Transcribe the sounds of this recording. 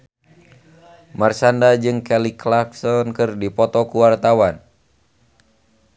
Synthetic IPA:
marsandad͡ʒɨŋkɛliklaksɔnkɨrdipɔt̪ɔkuwart̪awan

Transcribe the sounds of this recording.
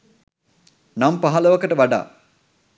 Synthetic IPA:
nampaɦaləʋɐkəʈəʋaɖa̰ː

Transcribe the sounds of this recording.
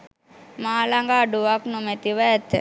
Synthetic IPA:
maːlaŋɡaːɖuʋaknumet̪iʋaːt̪ə̰

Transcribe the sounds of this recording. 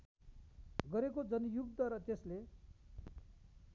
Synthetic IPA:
ɡʌɾekod͡zʌnjuk̚d̪ʌɾʌt̪esle

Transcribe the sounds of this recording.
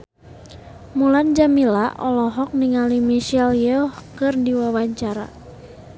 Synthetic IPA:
muland͡ʒamilaʔɔlɔɦɔk̚niŋalimiʃɛljɛhkɨrdiwawaɲt͡ʃaɾa̰

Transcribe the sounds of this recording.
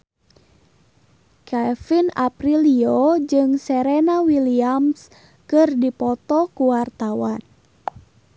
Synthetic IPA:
kafinapɾiliod͡ʒɨŋsɛɾenawiliams | kɨrdipɔt̪ɔkuwart̪awan

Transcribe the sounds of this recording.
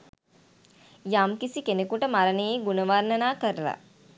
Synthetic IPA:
jamkisikenekuʈəmaɾənəjeɡunəʋarnənaːkəɾəla̰

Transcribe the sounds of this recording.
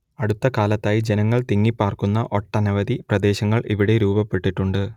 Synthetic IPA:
ɐɽut̪ːɐkaːlɐt̪ːaːjid͡ʑe̞nɐŋːɐɭt̪iŋːipːaːrkunːɐʔo̞ʈːɐnɐʋɐd̪iprɐd̪e̞ːɕɐŋːɐɭʔiʋiɽe̞ɾuːbɐpːe̞ʈːiʈːuɳɖɨ

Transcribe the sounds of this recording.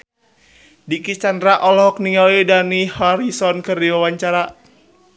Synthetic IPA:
dikit͡ʃandɾaʔɔlɔɦɔk̚niŋalidanihɔɾisɔnkərdiwawaɲt͡ʃaɾa

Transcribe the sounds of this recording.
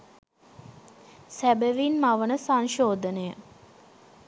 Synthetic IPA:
sæbəʋinmaʋənəsaŋʃoːd̪ənəjə

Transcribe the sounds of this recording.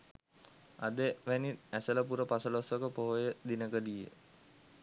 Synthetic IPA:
a̰d̪əʋæniæsələpuɾəpasəlosʋokəpoɦojəd̪inəkəd̪ijə̰

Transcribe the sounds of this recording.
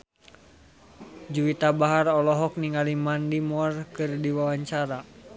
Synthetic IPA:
d͡ʒuwit̪abaɦarɔlɔɦɔk̚niŋalimandimɔrkɨrdiwawaɲt͡ʃaɾa

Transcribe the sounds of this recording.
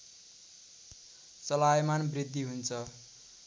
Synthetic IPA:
t͡sʌlajmanbrid̪ʱːiɦunt͡sʰʌ

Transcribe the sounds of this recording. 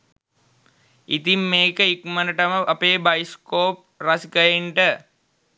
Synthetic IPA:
it̪imːeːkəikmənəʈəməʔapeːbajskoːp̚rɐsikəjeɳʈə

